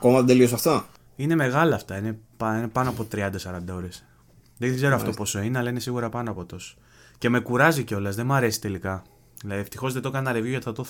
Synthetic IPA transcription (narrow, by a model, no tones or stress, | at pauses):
ɐko̞mɐðed̪e̞lios̬ɐft̪o | ine̞me̞ɣɐlɐːft̪ɐine̞pɐinepɐnoɐpo̞t̪ɾiɐnd̪ɐsɐɾɐnd̪ɐo̞ɾes | ðeɡze̞ɾoɐft̪o̞po̞so̞ineɐlɐine̞siɣuɾɐpɐnoɐpo̞t̪o̞s | ce̞me̞kuɾɐziceo̞lɐzðe̞mɐɾe̞si̥t̪e̞likɐ | ðilɐðie̞ft̪ixo̞zðet̪o̞kɐnɐnɐɾevʝoʝɐt̪iθɐt̪o